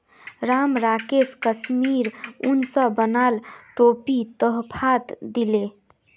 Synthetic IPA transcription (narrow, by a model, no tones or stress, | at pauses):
ɾamɾakeskəsmiɾunsəbənalʈopit̪əɦpʰat̪d̪ile